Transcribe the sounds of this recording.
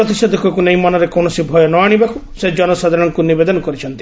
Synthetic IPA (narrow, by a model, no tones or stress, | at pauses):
ɾɔt̪̬isɔd̪ʱɔkuekunejmanɔɾekoɳ̃ɔsibʱɔjɔnɔaɽ̃ibakused͡ʒɔnɔsad̪ʱaɾɔŋkunibed̪ɔnɔkɔɾit͡ʃʰɔnt̪i̥